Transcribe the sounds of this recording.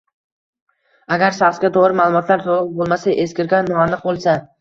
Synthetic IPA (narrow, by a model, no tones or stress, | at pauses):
aɡʲaɾʃɑχsɡʲat̪ʰoʁɾɪmaːlˠʊmɒt̪ʰlaɾt̪ʰolˠɨq̚bolˠmasaʔeskʲɪɾɡʲanːɒanɨq̚bolˠsa